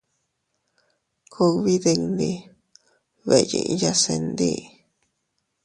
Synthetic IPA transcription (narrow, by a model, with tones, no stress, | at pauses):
kʰo˧kβi˦ðe˧knd̪i˧ | βe˨˧jḭ˧ʔja˧se˧nd̪ḭ˦˧